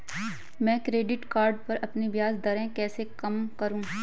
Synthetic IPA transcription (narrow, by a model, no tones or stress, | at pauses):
mɛ̃ːkɾeːɖɪʈkaːɾɖpɐɾɐpnebjaːzd̪ɐɾɛ̃kɛːsekɐmkɐɾũː